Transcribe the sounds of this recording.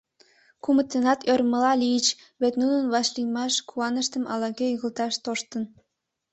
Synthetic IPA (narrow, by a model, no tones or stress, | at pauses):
kumə̆t̪ːenɑt̪ʰørmə̆lɑlʲijət͡ɕ | βet̪nunənβɑʃlʲijmɑʃkʰuɑnə̆ʃt̪ə̆mʔɑ̰lɑɣʲeyɣə̆lt̪ɑʃt̪oʃt̪ə̆n